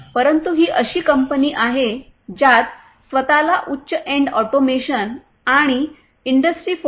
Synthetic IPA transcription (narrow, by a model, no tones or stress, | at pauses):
pəɾənt̪uɦiːʔəɕiːkəmpəniːʔaɦe | d͡ʑat̪̚ | sʋət̪alaʔutːɕəʔẽɳɖɔʈomeɕən | aɽ̃i | iɳɖəsʈɾiːf